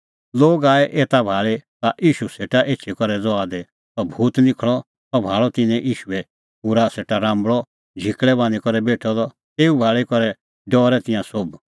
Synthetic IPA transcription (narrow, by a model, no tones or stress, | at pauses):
loːɡaːɛʔeːt̪abʱaːɭet̪aʔiːʃuseːʈaʔeːt͡ʃʰikɔɾɛd͡zɔaːd̪ɛ | t̪ɔbʱuːt̪nɪkʰɭɔ | t̪ɔbʱaːɭɔt̪ɪnɛ̃ʔiːʃuɛ | puɾaseːʈaɾãːmbɭɔ | d͡ʒʱɪkɭɛbãːnikɔɾɛbeːʈʰɔd̪ɔ | t̪eːubʱaːɭikɔɾɛ | ɖɔːɾɛt̪ɪ̃jãsob